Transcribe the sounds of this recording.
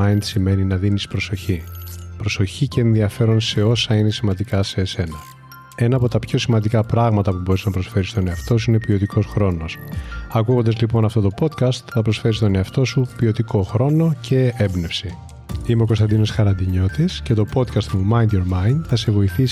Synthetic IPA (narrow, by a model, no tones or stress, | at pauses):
ɐind̪sime̞ninɐðinispɾo̞so̞çipɾo̞so̞çiceːnðiɐfe̞ɾo̞nse̞o̞sɐine̞simɐnd̪ikɐse̞ːse̞nɐ | e̞nɐːpo̞t̪ɐpço̞simɐnd̪ikɐpɾɐɣmɐt̪ɐpubo̞ɾiznɐpɾo̞sfe̞ɾist̪o̞ne̞ɐft̪o̞s̬uine̞pio̞t̪ikʰo̞sxɾo̞no̞sɐkuɣo̞nd̪ɐzlipo̞nɐft̪o̞t̪o̞po̞t̪kɐst̪θɐpɾo̞sfe̞ɾist̪o̞ne̞ɐft̪o̞supio̞t̪iko̞xɾo̞no̞cʰe̞ebne̞fsi | imeokost̪ɐnd̪ino̞sxɐɾɐnd̪iɲo̞t̪isce̞t̪o̞po̞t̪kɐst̪mumɐind̪oɾmɐind̪θɐse̞vo̞iθis